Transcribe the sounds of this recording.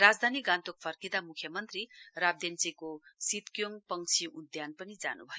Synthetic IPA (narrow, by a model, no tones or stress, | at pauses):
rad͡zd̪ʱaniɡãnt̪ok̚pʰʌrkid̪amukʰːjʌmʌnt̪rirab̚d̪ent͡sikosit̪kjoŋpʌŋt͡sʰiud̪janpʌnid͡za̰nṵbʱʌjo